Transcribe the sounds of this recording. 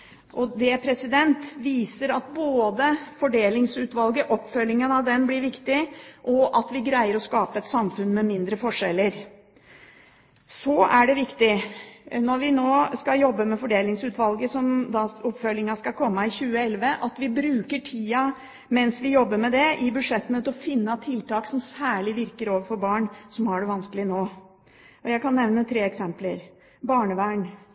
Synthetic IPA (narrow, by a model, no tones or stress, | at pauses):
ʔɔd̪ɛpʰɾɛsɪd̪ɛnt̪ʋiːsəɾɑt̪̚boːd̪əfɔɖeːlɪŋsʉːt̪ʋɑlɡəʔɔpːfœlːɪŋənɑʋd̪ɛnblɪɾʋɪkt̪ɪʔɔʔɑt̪ʋɪɡɾæɪəɾɔskɑːpəɛt̪sɑmfʉnmɛmɪnd̪ɾəfɔʂɛlːəɾ | sɔæɖɛʋɪkt̪ɪ | nɔɾʋɪnoːskɑjɔbːəmɛfɔɖeːlɪŋsʉːt̪ʋɑlɡəsɔmd̪ɑʊpfœlɪŋɑskɑkʰɔmːɑɪçʉːəɛlʋəʔɑt̪ʋɪbɾʉːkəʈʰiːɑ | mɛnsʋɪjɔbːəmɛd̪ɛʔɪbʉʂɛt̪ːənət̪ɔfɪnːɑt̪ʰɪlt̪ɑːksɔmsæːɭɪʋɪɾkəɾoːʋəɾfɔɾbɑːɳsɔmhɑɖɛʋɑnskəlɪnoː | ɔjæɪkɑnːɛʋnət̪ʰɾeːɛksɛmpləɾ | bɑːɳəʋæːɳ